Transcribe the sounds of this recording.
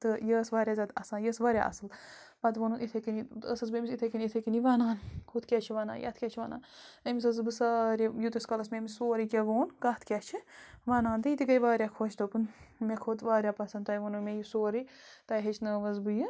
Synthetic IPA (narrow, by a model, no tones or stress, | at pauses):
t̪ɨjəːsʋaːɾʲaːzʲad̪ɐ̰sãːjəːsʋaɾʲja̰ːʔɐ̰sɨl | pɐt̪ʋonunit̪ʰɐkinit̪əsɐzbɨmisit̪ʰɐkinʲit̪ʰɐkiniʋaːnaːnkʰut̪kʲɛt͡ʃʰiʋaːna̰ːnjɐ̰t̪ʰkʲet͡ʃʰiʋɐ̰ːna̰ːnɐmisɐzbɨsaːɾʲijut̪ɐskɐlɐsmʲemisoːɾikʲeʋoːnkɐt̪ʰkʲɛt͡ʃʰiʋaːnaːnd̪ɨjit̪iɡɐjʋaːɾʲjaːkʰoːt͡ʃt̪opɨnmekʰot̪ʋaːɾʲjaːpɐsɐnt̪ɐjʋonumʲejusoːɾi | t̪ɐjɦet͡ʃʰnɐːʋɐzbɨjɨ